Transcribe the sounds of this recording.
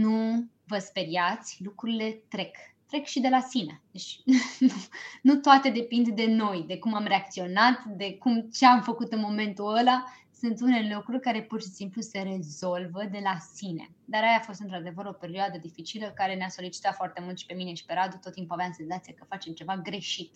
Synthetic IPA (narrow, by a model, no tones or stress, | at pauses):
nu | vəspe̞ɾiat̪sʲlukɾuɾile̞t̪ɾe̞kt̪ɾe̞kʃid̪e̞lasinḛd̪et͡ʃ̪ʲnunut̪oat̪e̞d̪e̞pind̪d̪e̞no̞jd̪e̞kumamre̞ak̚t̪sio̞nat̪d̪e̞kumt͡ʃe̞amfəkut̪ɨnmo̞me̞nt̪uəla | sunt̪une̞lukɾurʲkaɾe̞purʃisimpluse̞ɾe̞zo̞lvəd̪e̞lasine̞̰ | d̪aɾajafo̞st̪ɨnt̪ɾad̪e̞vəɾo̞pe̞ɾioad̪əd̪ifit͡ʃiləkaɾe̞neaso̞lit͡ʃi̥t̪at̪foart̪e̞mult̪ʃi̥pe̞mine̞ʃi̥pe̞ɾad̪jot̪ot̪ːimpuaveamnse̞nzat̪siakəfat͡ʃe̞mt͡ʃe̞vaɡɾe̞ʃit̪̚